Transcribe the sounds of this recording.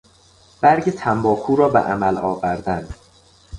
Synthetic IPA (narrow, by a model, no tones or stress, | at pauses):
b̥æɾɟet̪ʰæmbɒːkʰuːɾɒːbḛʔæ̰mælɒːvæɾd̪ænd̪̥